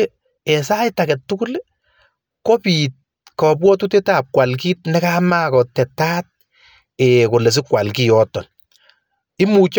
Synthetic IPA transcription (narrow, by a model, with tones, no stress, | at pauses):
ɛ˨sa˦jtakɛ˨tːʊ˦ku˦le | ko˦pit̚ | kɔpwɔ˦tu˦te˦ta˦p̚kwa˨lk̬i˦t̚nɛ˦ka˦ma˦kɔ˨tɛ˨tat̚ | ɛko˨le˨s̬ɪ˦kwa˨lki˨jɔtɔ˨n | ɪ˦mu˨t͡ʃ